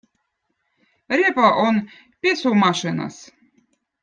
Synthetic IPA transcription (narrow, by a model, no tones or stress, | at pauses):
ɾʲepaʔon | pʲesumɑʃɨnɑ̰s